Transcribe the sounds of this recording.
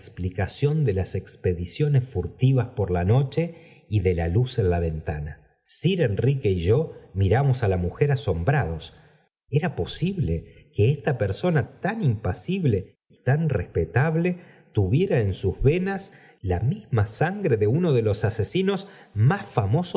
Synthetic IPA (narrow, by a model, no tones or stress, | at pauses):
ksplikasjo̞nd̪elase̞kspe̞ðisjo̞nesfuɾt̪iβaspo̞ɾlano̞t͡ʃe̞ | iðe̞lalusenlaβe̞nt̪ana | siɾenrike̞iʒo̞miɾamo̞salamuxe̞ɾaso̞mbɾaðo̞s | eɾapo̞siβlekeest̪ape̞ɾso̞nat̪animpasiβle | it̪anrehpet̪aβle̞ | t̪uβje̞ɾaensuzβe̞nas | lamizmasaŋɡɾe̞ðe̞uno̞ðe̞lo̞sasesino̞z | masfamo̞so